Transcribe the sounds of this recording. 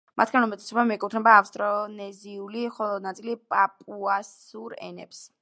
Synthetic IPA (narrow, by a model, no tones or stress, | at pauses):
mat̪ʰɡanumɛt̪ʼɛsɔbamiɛkʼut̪ʰnɛbaːfst̪ʼɾɔnɛziuliχɔlˠɔd̪nat̪sʼilipʼapʼuas | uɾɛ̰nɛ̰ps